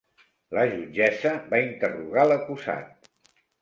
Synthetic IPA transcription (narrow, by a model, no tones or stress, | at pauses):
ləʒud͡ʒɛzəβaint̪əruɣaləkuza̰t̪̚